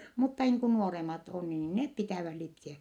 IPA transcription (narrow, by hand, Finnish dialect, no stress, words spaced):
mutːɑ niːŋ ku nuoremɑt o niːn nep pitæˑʋæh lipsiæ